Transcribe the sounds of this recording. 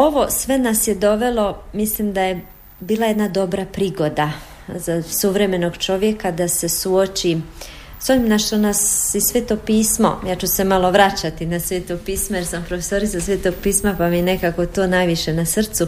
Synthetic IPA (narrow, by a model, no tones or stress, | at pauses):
o̞ʋo̞sʋe̞nasjed̪o̞ʋe̞lo̞mislimd̪aje̞ | biːlˠaje̞d̪nad̪o̞bɾapɾiːɡo̞d̪a | zasuʋɾe̞me̞no̞ɡt͡ʃo̞ʋje̞kad̪ase̞suot͡ʃi | sonimnaʃt̪onasisʋeːt̪o̞piːsmo̞̰jaːt͡ʃuse̞malˠo̞ʋɾat͡ɕat̪inasʋeːt̪oɡ̚piːsmojeɾsampɾofeso̞ɾit̪sasʋeːt̪oɡ̚piːsmapamijene̞kakot̪oːnajʋiʃe̞nasrt̪su